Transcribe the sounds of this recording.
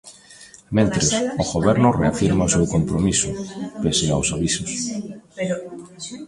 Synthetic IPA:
mẽnt̪ɾesoɣoβɛɾnʊreafiɾmaosewkompɾomisʊpesea̰wsaβisos

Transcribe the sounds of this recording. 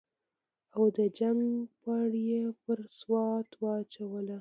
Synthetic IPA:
awd̪əd͡ʒaŋpaɽjepəɾswɑt̪wɑt͡ʃawəla

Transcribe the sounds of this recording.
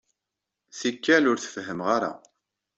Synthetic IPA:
θikːælʊɾθə̥fɦəmʁaɾa̰

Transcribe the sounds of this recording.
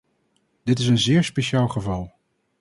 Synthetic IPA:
d̥ɪtɪs̬ənzɪːɹspeʃaːlˠχəvɑlˠ

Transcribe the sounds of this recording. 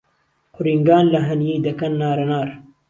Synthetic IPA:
qʊɾiŋɡaːnlɐɦɐnjeːd̪ɐkɐnːaːɾɐnaːɾ

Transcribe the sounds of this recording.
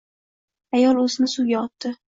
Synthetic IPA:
ajɒlˠɵzɪnɪsuɡʲaɒt̪ːɪ

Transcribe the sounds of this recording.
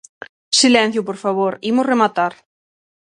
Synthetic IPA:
silɛ̃n̟θjʊpoɾfaβoɾimʊsremat̪aɾ

